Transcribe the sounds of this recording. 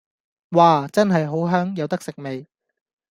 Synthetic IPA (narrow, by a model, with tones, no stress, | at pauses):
waː˨˩t͡sɐ˥nɦɐ˨jɦo˨˥wɦœː˥ŋjɐ˨˧wt̪ɐ˥ksɪ˨k̚me˨j